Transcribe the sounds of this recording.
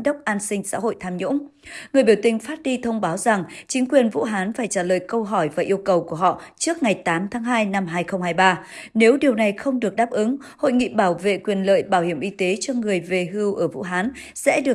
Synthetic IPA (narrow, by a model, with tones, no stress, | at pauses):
ɗə˦˥wk͡p̚ʔaː˧nsï˧ŋ̟sa̰ː˧˥ɦo̰˧˨jt̪ʰaː˧mɲʊ̰˧˥ŋ͡mŋɨ˨˩əjɓi˧˩wt̪ï˧ŋ̟faː˦˥t̚ɗi˧t̪ʰə˧wŋ͡mɓaː˨˦wza˨˩ŋt͡ɕï˨˦ŋ̟kwi˨˩ənvṵ˧˥ɦaː˨˦nfaː˧˩jt͡ɕaː˧˩lə̰ː˨jkə˧wɦɔ˧˩jvaː˨˩ʔi˧əwkə˨˩wku˧˩əɦɔ̰˧˨t͡ɕɨ˦˥ək̚ŋa˨˩jt̪aː˨˦mt̪ʰaː˨˦ŋɦaː˧jna˧mɦaː˧jxə˧wŋ͡mhaː˧jɓaː˧ne˨˦wɗi˨˩əwna˨˩jxə˧wŋ͡mɗɨ˨˩ək̚ɗaː˦˥p̚ʔɨ˨˦ŋ | ho̰˧˨jŋḭ˧˨ɓaː˧˩wvḛ˧˨kwi˨˩ənlə̰ː˧˨jɓaː˧˩whi˧˩əmʔi˧t̪e˨˦t͡ɕɔ˧ŋɨ˨˩əjve˧˩ɦɨ˧wʔəː˧˩vṵ˧˥ɦaː˨˦n | sɛ̰˧˥ɗɨ˨˩ə